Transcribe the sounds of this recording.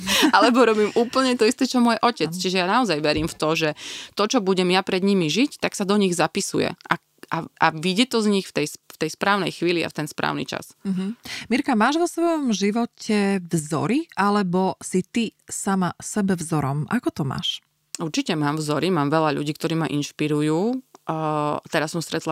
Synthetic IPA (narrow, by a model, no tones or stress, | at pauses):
alɛbɔɾɔbiːmuːpl̩ɲɛt̪ɔist̪ɛt͡ʃɔmʊɔjʔɔcɛt͡st͡ʃiʒɛjanaɔzajʋɛɾiːmft̪ɔʒɛt̪ɔt͡ʃɔbuɟɛmjapɾɛd̪ɲimiʒict̪aksad̪ɔɲiɣzapisujɛ̰ʔa | ʔaʔaʋiɟɛt̪ɔzɲixft̪ɛjsft̪ɛjspɾaːʊnɛ̰jxʋiːlia̰ft̪ɛnspɾa̰ːʊnḭt͡ʃa̰s̩ɦ̩miɾkamaːʒʋɔsʋɔjɔmʒiʋɔcʰɛvzɔ̰ɾiʔalɛbɔsit̪isamasɛbɛvzɔɾɔmʔakɔt̪ɔma̰ːʃ | uɾt͡ʃicɛmaːmvzɔɾimaːmʋɛʎaʎṵɟiːk̚t̪ɔɾiːmaʔinʃpiɾujuː | t̪ɛɾasːɔmst̪ɾɛt̪la